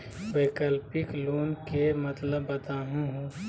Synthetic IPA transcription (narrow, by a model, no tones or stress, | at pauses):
beːkəlpɪkloːnkemət̪ləbːət̪aːɦũɦũ